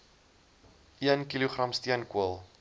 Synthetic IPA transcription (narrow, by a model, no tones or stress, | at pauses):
ʔiənkiluχrɐmstiənkuəlˠ